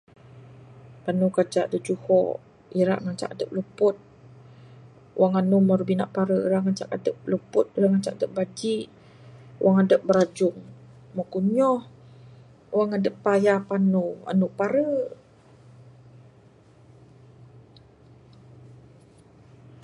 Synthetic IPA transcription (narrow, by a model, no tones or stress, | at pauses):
panukad͡ʒaʔdəd͡ʒuhɔ̰ | iɾa̰ʔŋat͡ʃa̰kadəp̚ləpʊt̪̚ | uwaŋanumərbina̰ʔpaɾəiɾaʔŋat͡ʃakadəp̚ləpʊt̪̚iɾaŋat͡ʃakadəp̚bad͡ʒiʔ | ṵwaŋadəp̚bəɾad͡ʒʊŋ | məkuɲɔh | waŋadəpːajapanua̰nuʔpaɾə